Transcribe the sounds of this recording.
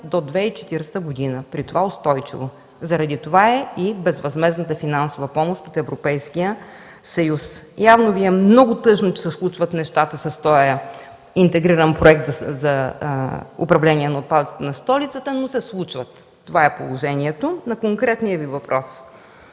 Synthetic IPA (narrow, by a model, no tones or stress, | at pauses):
d̪od̪vɛit͡ʃɛ̥t̪iɾst̪əɡʊd̪inəpɾit̪ovaʊst̪ɔjt͡ʃḭvo | zɐɾɐd̪it̪ovaɛibɛzvɐzmɛznət̪əfinansovəpɔmoʃt̪ot̪ɛvɾopɛjskijə | sɐjusjavnoviɛmnɔɡʊt̪ɤʃnot͡ʃɛ̥sɛslˠut͡ʃvət̪nɛʃt̪at̪əsɐst̪ɔə | int̪ɛɡɾiɾənpɾoɛk̚t̪zzɐ | ʊ̰pɾɐvlɛniɛnɐʊt̪̚pad̪ət̪sə̥t̪ənɐst̪ɔlit̪sət̪ənosɛslˠut͡ʃvət̪ː | ovaɛpolˠoʒɛniɛt̪onɐkoŋkɾɛt̪nijəvivɐpɾʔɔs